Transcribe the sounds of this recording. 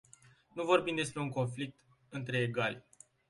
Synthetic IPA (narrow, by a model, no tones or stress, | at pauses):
nuvo̞rbimd̪e̞s̬pɾe̞uŋko̞nflik̚t̪ | ɨnt̪ɾe̞ːɡalʲ